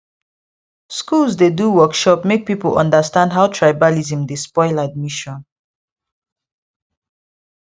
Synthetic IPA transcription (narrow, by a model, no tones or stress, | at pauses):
skulsdeduwɜkʃɔpmek̚pipəlʔɔ̰̃ndəstãndɦaʊtʰɹajbalizə̃mdespɔɪlad̚miʃɔ̃n